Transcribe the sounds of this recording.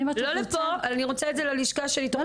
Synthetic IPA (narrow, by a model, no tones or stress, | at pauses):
lolepoalaniʁot͡saedzelaliʃkaʃelit̪o